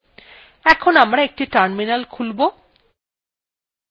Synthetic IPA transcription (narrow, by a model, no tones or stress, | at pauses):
ɛkʰonamɾaek̚ʈiʈaɾminalkʰulbo